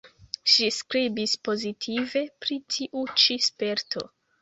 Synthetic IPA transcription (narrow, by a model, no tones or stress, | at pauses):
ʃiskɾibispo̞zitʰive̞pɾitʰiʔut͡ʃispe̞ɾtʰo̞̰